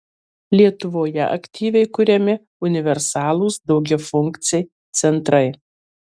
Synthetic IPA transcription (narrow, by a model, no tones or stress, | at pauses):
lʲiɛt̪ʊʋoːjɛ̰ʔɐ̰kʲt̪ʲiːʋʲɛɪkʊɾʲɛmʲɪ | ʊnʲɪʋʲɛɾsɑːlˠuːsd̪ɒʊɡʲɛfʊŋʲkt̪sʲɛɪ | t̪sʲɛnt̪ɾɐɪ